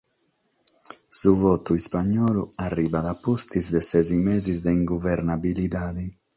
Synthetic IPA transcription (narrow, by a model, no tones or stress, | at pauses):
suvɔːt̪uispaɲːɔːluarːiːvaðapːost̪izd̪ɛsɛzimɛːzizd̪ɛiŋɡuvɛɾnabiliðaːði